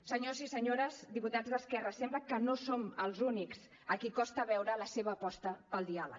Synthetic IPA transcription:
səɲozisəɲoɾəzd̪iput̪ad͡zzðəskɛrəsɛmbləkənosoməlˠzuniks | əkikɔst̪əβɛwɾələseβəːpɔst̪əpəlˠd̪ialə̰k

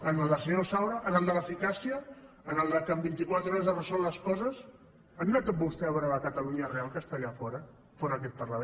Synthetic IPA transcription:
ənəlˠd̪əsəɲɔsawɾəʔənəlˠd̪ələfikasiə | ənəlˠd̪əkəmbint̪ikwat̪ɾɔɾəzðərəsɔlləskɔzəs | ənunat̪ot̪̚bust̪ɛəβɛɾələkət̪əluɲərealˠkəst̪əʎafɔɾə | fɔɾəːk̬ɛt̪̚pərləβe

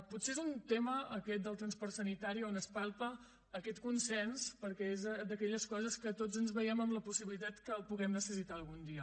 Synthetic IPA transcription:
putseezunt̪eməːkɛt̪̚d̪əlˠt̪ɾənspɔɾrt̪sənit̪aɾionəspalˠpəː | kɛt̪kunsɛnspəɾkɛezd̪əkɛʎəskɔzəskət̪ozənzβəjɛməmləpusiβilit̪at̪kəːlˠpuɣɛmnəsəsit̪aəlˠɣund̪iə

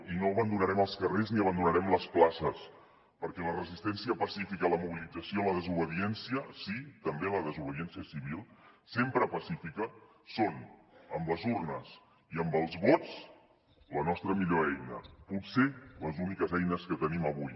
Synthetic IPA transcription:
inoəβənd̪unəɾɛməlˠskərezniəβənd̪unəɾɛmləsplasəs | pəɾkɛlərəzist̪ɛnsiəpəsifikəːləmuβilid͡zəsioəmləðəzuβəðiɛnsiəsit̪əmbeələðəzuβəðiɛnsiəsiβ̞ilˠsempɾəpəsifikə | sonəmləzurnəs | iəmbəlˠzβot͡s | lənɔst̪ɾəmiʎoɛjnə̰putseləzunikəzɛjnəskət̪əniməβuj

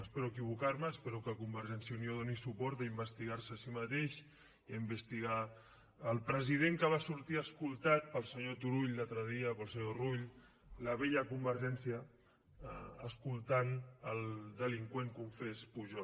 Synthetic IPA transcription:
əspeɾuəkiβ̞ukaɾməːspeɾukəkumbəɾʒɛnsjəunioð̞onisupɔɾt̪̚əimbəst̪iɣaɾsəːsimət̪eʃ | iəmbəst̪iɣ̞aː | lˠpɾəzið̞eŋkəβ̞asuɾt̪iəskulˠt̪at̪̚pəlˠsəɲot̪uɾuʎd̪at̪ɾəð̞iəpəlˠsəɲoruʎ | ləβeʎəkumbəɾʒɛnsjə | əskulˠt̪anəlˠd̪əliŋkweŋkuɱfespuʒɔ

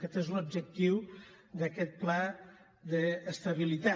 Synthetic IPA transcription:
kɛt̪ezlob̚d͡ʒək̚t̪iw | d̪əkɛt̪̚pla | ðəːst̪ɐβilit̪a

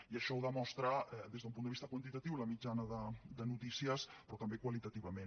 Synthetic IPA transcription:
iəʃɔwðəmɔst̪ɾəd̪ezðəumpund̪əβist̪əkwənt̪it̪ət̪iwləmid͡ʒanəðəd̪ənut̪isiəspɾɔt̪əmbekwəlit̪ət̪iβəmen

